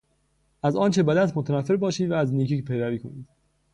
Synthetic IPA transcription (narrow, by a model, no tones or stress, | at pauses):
ʔæzɒːnt͡ʃʰe̞bæd̪æt̪ʰmot̪ʰænæfːe̞ɾbɒːʃiːd̪vææzniːcʰiːcpʰejɾæviːkʰoniːd̪̥